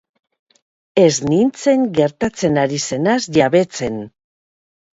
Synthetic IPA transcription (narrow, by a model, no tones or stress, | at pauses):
e̞znint͡se̞ŋɡe̞ɾt̪at͡se̞naɾise̞nasʝaβe̞t͡se̞n